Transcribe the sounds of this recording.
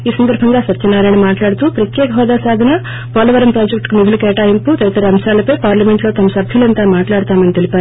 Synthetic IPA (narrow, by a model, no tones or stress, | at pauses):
iːsɐnd̪ɐɾbʱɐŋɡaːsɐt͡ʃɐnːaːɾɐjnɐmaːʈlaːɽut̪uːpɾɐt̪jɛːkɐɦɔːd̪aːsaːd̪ʱɐnɐ | pɔːlɐʋɐɾɐmpɾaːd͡ʒekʈkumid̪ʱulukɛːʈaːjimput̪ɐjit̪ːɐɾɐɐmʃaːlɐpɐjpaːɾlɐme̞ɳʈlo̞ːt̪ɐmɐsɐbʱjulɐnt̪aːmaːʈlaːɽt̪aːmɐnit̪e̞lipaːɾu